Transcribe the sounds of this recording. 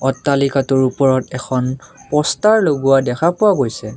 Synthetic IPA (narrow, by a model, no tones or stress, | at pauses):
ɔtːalikatɔɹupɔɹɔtɛkʰɔnpɔstaɹloɡuwadɛkʰapʊwaɡojsɛ